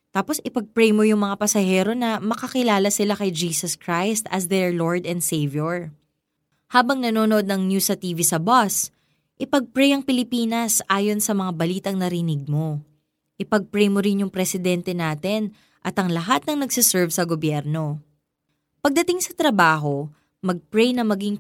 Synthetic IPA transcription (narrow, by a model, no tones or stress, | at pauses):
t̪aːpo̞sʔɪpɐɡ̚pɾɛjmojʊŋmɐŋapɐsɐhɛːɾo̞nɐmɐkɐkɪlaːlɐsɪlakɐjd͡ʒiːsɐskɾajst̪ɐsd̪ɛɹloɹd̪ɛnd̪sejvjoɹ | haːbɐŋnɐnoːnoʔo̞d̪̚nɐŋnjusɐt̪iːvisɐbas | ʔɪpɐɡ̚pɾɛjɐŋpɪlɪpiːnɐsʔaːjo̞nsɐmɐŋabɐliːt̪ɐŋnɐɾɪnɪɡ̚mo̞ | ʔɪpɐɡ̚pɾɛjmoɾɪnjʊŋpɾɛsɪd̪ɛnt̪ɛnaːt̪ɛn | ʔɐt̪ɐŋlɐɦat̪̚nɐŋnɐɡsɪsɛɹvsɐɡobjɛɾno̞ | pɐɡ̚d̪ɐt̪ɪŋsɐt̪ɾɐbaːɦo̞ | mɐɡ̚pɹɛjnɐmɐɡiŋ